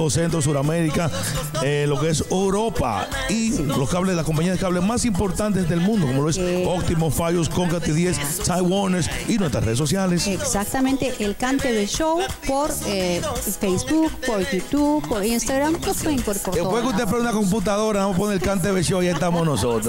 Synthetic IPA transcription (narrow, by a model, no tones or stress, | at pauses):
osent̪ɾos̬uðameɾika | elo̞keesewɾo̞pa̰ | iloskaβleslakompaɲiaðekaβlesmasimpo̞ɾt̪ant̪ezðe̞lmũnd̪okomoloesok̚t̪imosfaʝoskoŋkɾat̪eðjes | t̪ajwonesinwest̪ɾa̰sreðs̬os̬jaleseksak̚t̪amẽnt̪eʔelkant̪eðeʃow | poɾefejsbukpoɾjut̪upoɾinst̪aɣɾamʎospweðeŋkoɾipoɾt̪eopwekeust̪ep̬eunako̞mp̬ut̪̬aðo̞ɾaðamoponelkant̪̬eðeʃowjaest̪amosnosot̪ɾo